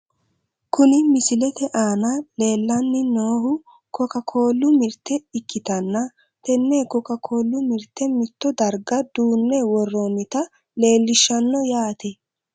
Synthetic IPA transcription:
kʊnɪmɪsɪlɛt̪ɛʔaːnɐle̞ːlːɐnːɪnoːhʊ | kɔkɐkʰo̞ːlːʊmɪɾt̪ːɛɪkːɪt̪ɐnːɐ | t̪ɛnːeːkɔkɐkʰo̞ːlːʊmɪɾt̪ːɛmɪt̪ːɔd̪ɐɾɡɐd̪̥uːnːɛwɔrːoːmɪt̪ɐ | le̞ːlːɪʃːɐnːɔjaːt̪ɛ

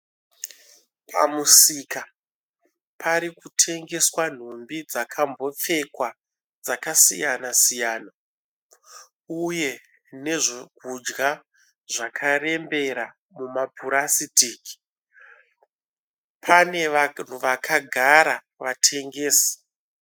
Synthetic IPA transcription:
pʰa̰musika | pʰaɾikutʰe̞ŋɡe̞swan̤umbid͡zakʰambo̞p͡fe̞kwa | d͡zakasḭjanasijaːna | uje̞ | ne̞ʐokud͡ʒɡa | ʐakʰare̞mbe̞ɾa | mumapuɾasitiːk | pʰane̞n̤uʋakʰaɡʱaɾa | ʋatʰe̞ŋɡeːsḁ

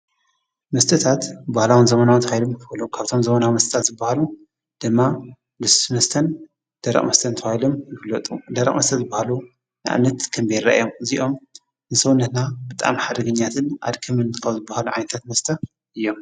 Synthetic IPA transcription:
mɐst̪ʰɨt̪ʰat̪bahlawɨnzɐmɐnawt̪ʰɐwhajlomkʰɨbɐlukʰaβt̪ʰo̞mzɐmɐnawmɐst̪ʰɨt̪ʰat̪zɨbːahalu | d̪̥ɨmːa | bɨsmɐst̪ʰɐn | d̪̥ɐɾɐ̰ʔʼmɐst̪ʰɐnt̪ʰɐwhajlomjɪflɐt̪ʼud̪ɐɾɐ̰ʔmɐst̪ʰɐzɨbːahalu | nɨʔa̰mnɐt̪kʰɐmbeɾɾɐ̰ʔjo̞mziʔo̞m | nɨsɐwnɐt̪nabɨt̪ʼa̰mħad̪ɐɡɐɲːat̪ʰɨnʔa̰d̪kʰɨmɨnt̪ɨkʰawzɨbːahaluʕa̰jnɐt̪ʰat̪mɐst̪ʰɐ | ʔɨjːo̞m

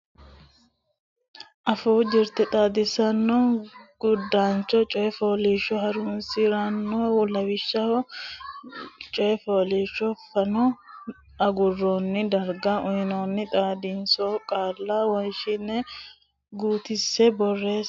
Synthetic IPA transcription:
ʔɐfuːd͡ʒɪɾt̪ɛt̪ʼaːd̪ɪsɐnːɔɡ̥ʊd̪ːaːnt͡ʃɔt͡ʃʼɔjɛfoːliːʃːɔɦɐɾʊnsɪɾɐnːɔwlɐwɪʃːɐ | t͡ʃʼɔjɛfoːliːʃːɔfɐnɔ | ɐɡʊrːoːnːɪd̪ɐɾɡaʔʊjɪnoːnːɪt̪ʼaːd̪ɪnsokʼaːlːawɔnʃɪnɛ | ɡuːt̪ɪsːɛbɔrːe̞ːs

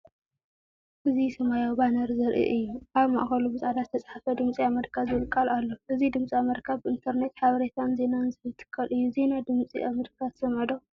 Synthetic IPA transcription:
ʔɨzisɐmajobanɐɾzɐɾʔḭʔɨjːuʔaβma̰ʔxɐlubɨsʼad̪azɨt̪ʰɐt͡sʼħafɐd̪ɨmt͡sʼiamɐɾkʰaβzɨɨlkʼːalalːoʔɨzid̪ɨmt͡sʼiamɐɾkʰaβbɨʔɨnt̪ʰɐɾne̞t̪ħaβɐɾet̪ʰanze̞nanzɨjɨt̪ʰɨ̥kʰːɐlʔɨjːuze̞nad̪ɨmt͡sʼḭʔa̰mɐɾkʰat̪sɐməd̪o

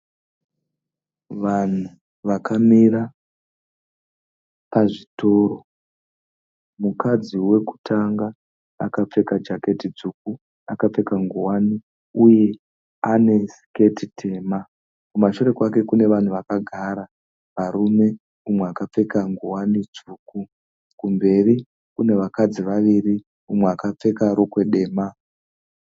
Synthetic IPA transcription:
ʋan̤u | ʋakʰamiɾa | paʐito̞ːɾo̞ | mukad͡ziwe̞ku̥tʰaŋɡa̰ː | kap͡fe̞kad͡ʒake̞tid͡zuk̚u | akap͡fe̞kaŋɡuwani | uje̞ | ane̞si̥ke̞titʰe̞ːma | kumaʃuɾe̞kwake̞kune̞ʋan̤uʋakaɡʱaɾa | ʋaɾume̞ | umwe̞akap͡fekaŋɡuwanid͡zuːku | kumbe̞ri | kune̞ʋakad͡ziʋaʋiri | umweakap͡fe̞kaɾo̞kwe̞ɗe̞ːma

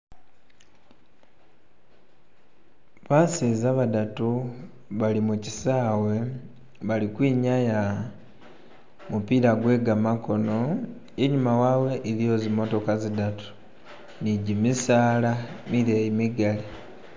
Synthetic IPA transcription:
βasizaβadatu | βalimuci̥saːwe̞ | βalikwiːɲaja | mupiɾaɡwe̞ɡamako̞no̞ | eɲumawawe̞ʔilijo̞zimo̞to̞kazidatu̥ | niɟimisaːlamiɾeimiɡali

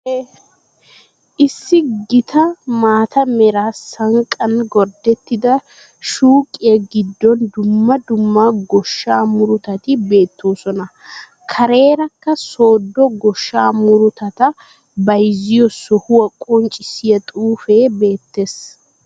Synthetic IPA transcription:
ʔɪsːɪɡɪt̪ʰɐmaːt̪ɐmɛɾaːsɐŋkʼɐnɡɔɾd̪ɛt̪ːɪd̪ɐ | ʃuːkʼːɪjɐɡɪd̪ːɔnd̪ʊmːɐd̪ʊmːaɡɔʃːaːmʊɾʊt̪ɐt̪ɪbe̞ːt̪ːo̞ːsɔnɐ | kʰɐɾe̞ːɾɐkːɐso̞ːd̪ːɔɡɔʃːaːmʊɾʊt̪ɐt̪ɐ | bɐjzɪjɔsɔhʊwɐkʼɔnt͡ʃʼɪsːɪjɐt̪ʼuːfeːbe̞ːt̪ːe̞s

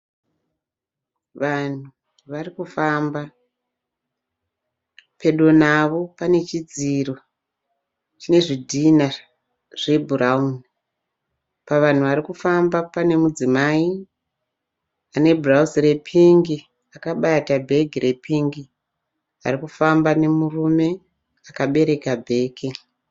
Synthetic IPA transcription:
ʋan̤u | ʋarikufamba | pe̞ɗonaʋo̞pane̞t͡ʃid͡ziro̞ | t͡ʃine̞ʐidʱina | ʐ̥e̞bʱurauni | paʋan̤uʋaɾikufambapane̞mud͡zimai | ane̞bʱurausre̞pʰiŋɡi | akaɓatabʱe̞ɡʱire̞pʰiŋɡi | a̰rikufambane̞murume̞ | akaɓe̞ɾe̞kabʱe̞ːke

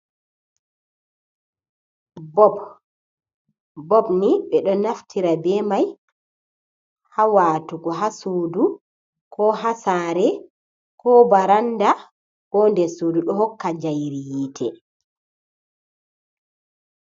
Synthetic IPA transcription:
bɔb | bɔbniɓɛɗɔnaftʰiɾabɛmaj | hawaːtuɡɔɦasoːdu | kʰɔhasaːɾɛ | kɔbaɾanda | hɔndɛsuːduɗɔɦɔkːad͡ʒajɾijitʰɛ

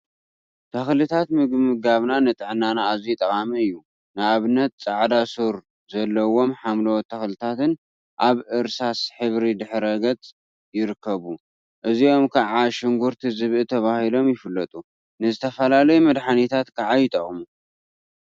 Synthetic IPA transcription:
t̪ʰɐxlɨt̪ʰat̪mɨɡmɨɡaβnanɨt̪ʼɨʕnanaːzit̪ʼɐχʼamiɨjːu | nɨaβnɐt̪̚t͡sʼaʕd̪asuɾ | zɐlːɐwo̞mħamlot̪ʰɐxlɨt̪ʰat̪ɨn | ʔaβʔɨɾsasħɨβɾid̪ɨħɾɐɡɐt͡sʼ | jɪɾɨkʰːɐβu | ʔɨzio̞mkʰaʕaʃɪŋɡuɾt̪ʰizɨβʔɨt̪ʰɐβahilo̞mjɪfɨlːɐt̪ʼu | nɨzɨt̪ʰɐfɐlalɐjumɐd̪ħanit̪ʰat̪kʰaʕajɪt̪ʼɐχʼmu

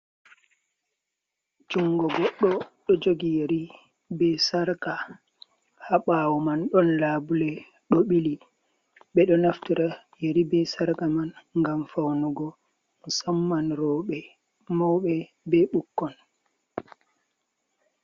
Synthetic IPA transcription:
d͡ʒuŋɡɔɡɔɗːɔɗɔd͡ʒoɡijeɾi | bɛsaɾka | haɓawɔmanɗɔnlaːbulɛ | ɗɔɓili | ɓɛɗɔnaftiɾa | jeɾibɛsaɾkamanŋɡamfawnɔɡɔ | musamːanɾɔɓɛ | mɔwɓɛ | bɛɓukːɔn

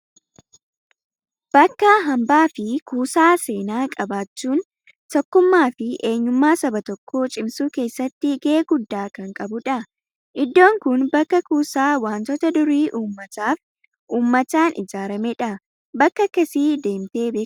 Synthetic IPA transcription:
b̥ɐkːɐɦɐmbaːfɪkʰuːsaːse̞ːnaːkʼɐbaːt͡ʃːuːn | t̪ɔkːʊmːaːfɪʔe̞ːɲːʊmːaːsɐbɐt̪ɔkʰːo̞ːt͡ʃʼɪmsuːke̞ːsːɐt̪ːɪɡeeːɡʊd̪ːaːkɐŋkʼɐbʊᶑɐ | ʔɪd̪ːo̞ːŋkʊnbɐkːɐkuːsaːwaːnt̪ɔt̪ɐd̪ʊɾiːʔuːmːɐt̪aːf | ʔuːmːɐt̪aːnʔɪ̰d͡ʒaːɾɐmɛᶑɐ | bɐkːɐkːɐsiːd̪e̞ːmt̪e̞ːbeː

